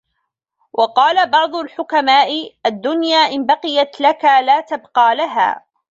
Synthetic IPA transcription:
wʔɑqɑːlabɑʕd̪ˤʊlħʊkamaːʔɪʔad̪ːʊnjaːʔɪnbɑqɨjat̪lakalaːt̪abqɑːlaɦa̰ː

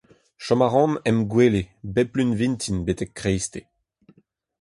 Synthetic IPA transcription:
ʃɔmaʁɑ̃nɛmɡwelebɛplynvĩnt̪ʰinbet̪ɛkːʁejst̪e

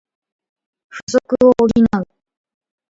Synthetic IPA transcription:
ɸɯsokɯoʔːɾʲinaɯ̟

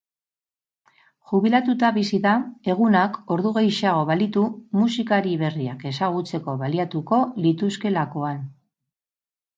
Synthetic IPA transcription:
ʝuβilat̪ut̪aβisiðae̞ɣ̞unako̞ɾðuɣejʃaɣ̞o̞βalit̪umusikaɾiβe̞riake̞saɣ̞ut͡se̞ko̞βaliat̪uko̞lit̪uske̞lako̞an

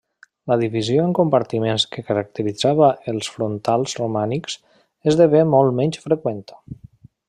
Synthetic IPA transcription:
ləðiβizioəŋkumpaɾt̪imenskəkəɾək̚t̪əɾid͡zaβəʔəlˠsfɾunt̪alˠzrumaniks | ezðəβemɔlˠmɛɲʲsfɾəkwent̪ə̥

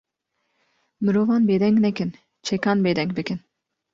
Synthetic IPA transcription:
mɨɾovɑnbed̪ɛŋknɛkʲin | t͡ʃʰekɑnbeːd̪ɛŋk̚bikʲin

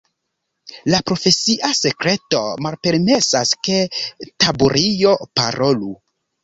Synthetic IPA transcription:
lapɾo̞fe̞siʔase̞kɾe̞to̞malpe̞ɾme̞saske̞tabuɾʔijo̞pa̰ɾʔo̞lu

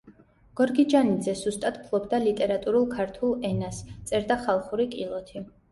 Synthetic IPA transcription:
ɡ̥ɔɾɡid͡ʒanid̪zɛz̥ust̪ʼad̪pʰlˠɔbd̪alit̪ʼɛɾat̪ʼuɾulˠkʰaɾt̪ʰulˠɛnast̪sʼɛɾd̪aχalˠχuɾikʼilˠɔt̪ʰi

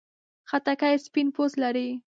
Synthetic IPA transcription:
xat̪akajspɪnposlaɾi

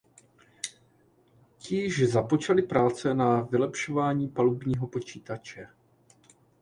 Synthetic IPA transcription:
cɪʒzapo̞t͡ʃalɪpɾaːt͡sɛnavɪlɛpʃo̞vaːɲiːpalubɲiːɦo̞po̞t͡ʃiːt̪at͡ʃɛ

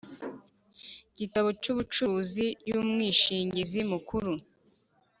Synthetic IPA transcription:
ɟ̥itaβo̞cuβut͡ʃuuzijumŋiːʃiːɲɟizimukuɾu

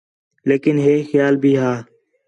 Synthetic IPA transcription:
leːkɪnɦeːxjaːlbʱiːɦaː

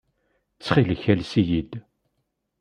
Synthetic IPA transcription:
t͡sːχilçælsijid̪

